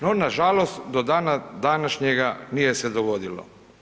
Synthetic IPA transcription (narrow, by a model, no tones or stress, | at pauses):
nonaʒalost̪d̪od̪anad̪anaʃɲeɡanijesed̪oɡo̞d̪ilo̰